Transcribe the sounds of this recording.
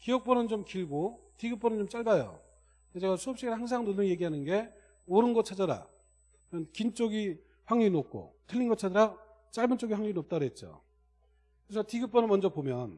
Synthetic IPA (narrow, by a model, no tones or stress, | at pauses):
kijʌk̚p͈ʌnɯnt͡ɕomkiɭɡotiɡɯp͈̚ʌnɯnt͡ɕomt͡ɕ͈aɭbajo̰ | ned͡ʑeɡasʰuʌp̚ɕ͈iɡɯɭhaŋs̬ʰaŋnolːuje̞ɡiɦanɯnɡe̞ | ʌɾɯnɡʌt͡ɕʰad͡ʑaɾa̰ | ʌnkint͡ɕ͈oɡi | ɸwaŋɲuinok̚k͈ʰo̰tʰɯʎːinɡʌt͡ɕʰad͡ʑʌɾa | t͡ɕ͈aɭbɯnt͡ɕ͈oɡiɸwaŋɲuinop̚t͈aɾoɦe̞t̚t͡ɕ͈o̰ | kɯɾesʰʌtiɡɯp͈ʌnɯnmʌnd͡ʑʌpomjʌn